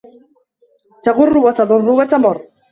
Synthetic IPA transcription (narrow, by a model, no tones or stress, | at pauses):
t̪aɣʊrˤːʊwat̪ɑðˤʊrˤːʊwat̪amʊrˤ